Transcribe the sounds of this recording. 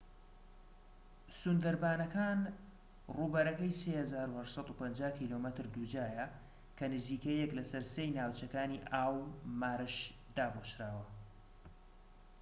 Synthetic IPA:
sund̪ɐɾbaːnɐkaːn | ruːbɐɾɐkɐjsehɐzaːɾuhɐʃsɑt̪upɐnd͡ʒaːhkʰiːloːmət̪ɨɾd̪ud͡ʒaːjɐ | kʰɐnɨziːkɐjɛklɐsɐɾsejnaːwt͡ʃɐkaːniːʔaːwmaːɾɨʃ | d̪aːboʃɾaːwɐ

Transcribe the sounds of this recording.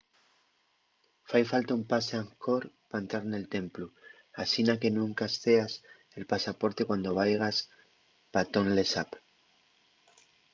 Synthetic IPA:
fajfalt̪aumpaseaŋko̞ɾ | paent̪ɾaɾne̞lt̪e̞mplu | asinake̞nũŋkast̪e̞as | e̞lpasapo̞ɾt̪e̞kwand̪o̞β̞ajɣas | pat̪o̞nle̞sap

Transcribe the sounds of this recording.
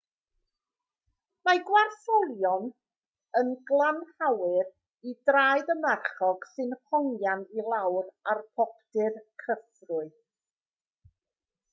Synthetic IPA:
maɡwarθɔlˠjɔn | ənɡlˠanhawɨr | idraːjdəmarχɔɡ̥sɨnhɔŋjanilˠawrarpʰɔp̚tɨrkʰəfrʊɨ

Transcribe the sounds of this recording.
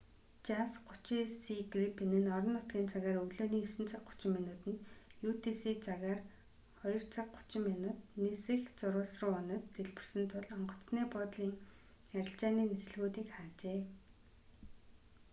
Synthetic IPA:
t͡ɕasɢʊ̥t͡ɕisiɡripenɘ̆nɔɾɞ̆nːʊt̪ɡʲiːnt͡saɣaːɾɵɣɮoːniːɵsɘ̆nt͡sʰaq̚ɢʊ̥t͡ɕɪ̆mːinʊːt̪ɘ̆njut̪ʰisiːt͡sʰaɣaːr | χɔjɞ̆r̥t͡sʰak̚ɢʊ̥t͡ɕɪ̆mːinʊːt̪̚nesɘ̆xt͡sʊɾʊːɮsrə̆ɔnɞ̆t̪t̪ʰeɮpɘ̆r̥sɘ̆nt̪ʰʊɮɔɴɢɞ̆t͡sniːpɔt̪ɮiːŋ | æɾʲɪ̆ɬt͡ɕaːniːnesɘ̆ɮɣuːt̪iːkχaːt͡ɕeː

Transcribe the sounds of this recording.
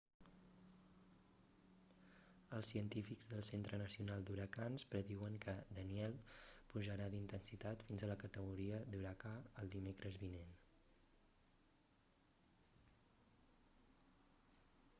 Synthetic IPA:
əlˠsiənt̪ifikzðəlˠsent̪ɾənəsiunalˠd̪uɾəkanspɾəðiwəŋkəd̪əniɛlˠpuʒəɾaðint̪ənsit̪at̪finzələkət̪əɣuɾiəd̪uɾəkaəlˠd̪imekɾʔəzβinen

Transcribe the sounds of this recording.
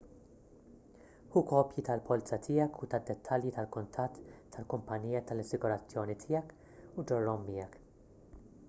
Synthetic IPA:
huːkɔːpjit̪ɐlpʰɔltɐt̪ʰɪːjɐkʰut̪ɐd̪ːɛt̪ʰːɐljit̪ɐlkʊnt̪ʰɐt̪ːɐlkʊmpɐnːiːjɐt̪ɐlɐsɪɡʊɾɐt͡sːjɔːnit̪ʰɪːjɐk | ud͡ʒɔrːɔmːɪjɛk

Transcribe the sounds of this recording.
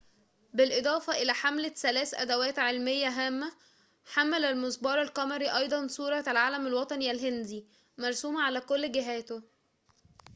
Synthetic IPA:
belʔed̪ˤɑːfɑʔelæːħamlæsælæːsʔæ̰d̪æwæːt̪ʕelmejːæɦæːmːæ | ħamːælælmosˤbɑːɾˤælqɑmɑɾiʔɑjd̪ˤɑnsˤuːɾˤɑlʕaːlæmælwɑt̪ˤɑniælɦend̪i | mɑɾˤsuːmæʕalæːkolːɡɪɦæːt̪o

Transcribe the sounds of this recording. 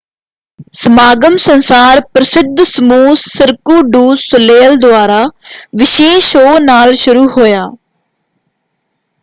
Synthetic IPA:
səmaːɡəmsənsaːɾpɾəsɪd̪ʱsəmuːsːɪɾkuːɖuːsʊleːld̪ʊaːɾaːʋɪʃeːʃoːnaːlʃʊɾuːhoːjaː

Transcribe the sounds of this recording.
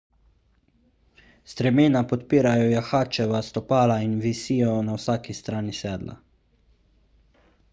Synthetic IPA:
st̪ɾɛmeːnapɔt̪piːɾajɔjaxaːt͡ʃɛʋast̪ɔpaːlainʋisiːjɔnawsaːkist̪ɾaːnisɛːd̪lʔa̰

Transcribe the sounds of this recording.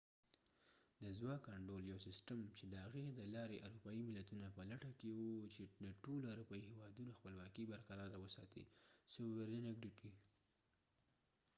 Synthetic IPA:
d̪əzwɑkaɳɖoljawsɪsʈəmt͡ʃed̪əhaɣed̪əlɑɾeʔaɾupɑimɪlat̪unapəlaʈakewut͡ʃed̪əʈoloaɾupɑihewɑd̪unoxpəlwɑkibaɾqaɾɑɾawəsɑ̰t̪ḭsobeɾd̪anaɡɖiʈi

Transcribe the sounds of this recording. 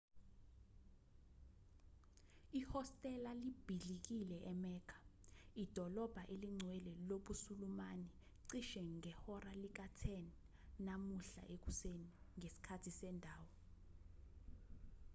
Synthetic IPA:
ihɔstʼɛlalib̥ʱiɮik̬ilɛʔɛmɛːkʰḁid̥ʱɔlɔb̥ʱaʔeliŋ͡ǀʱwɛlɛloɓusulumani | ǀiʃɛŋɛhɔralik̬atʰɛn | namuɬa̰ʔek̬useniŋesi̥kʰatʰisɛndʱaːwɔ

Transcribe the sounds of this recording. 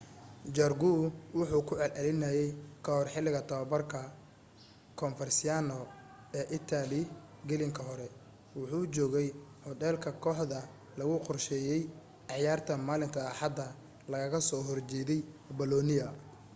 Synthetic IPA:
d͡ʒɐrɡuwʊħuːkʰʊʕɛlʔɛlɪnɐjɛjkʰɐhɔrħɪlɪɣɐt̪ʰɐβɐbɐrkʰɐ | kʰɔnfɛrsɪanɔ | ɛːʔɪt̪ʰalɪ | ɡɛlɪŋkʰɐɦɔɾɛ | wʊħuːt͡ʃɔːɣɛjhɔd̪ɛːlkʰɐkʰɔːħðɐ | lɐɣʊqɔrʃɛːjɛj | ɑħjaːrt̪ʰɐmaːlɪŋk̪ʰɐːħɑd̪ɐ | lɐɣɐɣɐsɔːɦɔrt͡ʃɛːðɛjbɔlɔːnɪjɐ

